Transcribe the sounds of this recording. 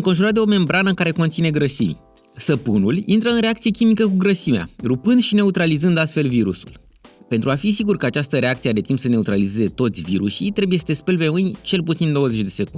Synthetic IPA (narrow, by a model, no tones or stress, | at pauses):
ɨŋko̞nʒuɾat̪̚d̪eo̞me̞mbɾanəkaɾe̞ko̞nt̪sine̞ɡɾəsḭmʲ | səpunulint̪ɾəɨnɾeakt̪sijekʲimikəkuɡɾəsimea̰ɾupɨnd̪ʃine̞ut̪ɾalizɨnd̪alt̪fe̞lviɾṵsṵl | pe̞nt̪ɾuafis̬iɡurkəat͡ʃast̪əɾe̞ak̚t̪siad̪e̞t̪impsene̞ut̪ɾalize̞ze̞t̪o̞t̪sʲviɾṵʃit̪ɾe̞buje̞səd̪e̞spelpe̞mɨnʲt͡ʃe̞lput̪sind̪o̞wəze̞t͡ʃʲd̪e̞se̞kun